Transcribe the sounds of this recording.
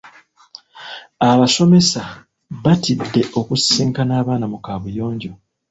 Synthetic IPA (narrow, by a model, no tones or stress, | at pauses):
aβaso̞me̞sa | βatidːe̞ʔo̞kusːiːŋkanaːβaːnamukaːβujo̞ːɲɟo̞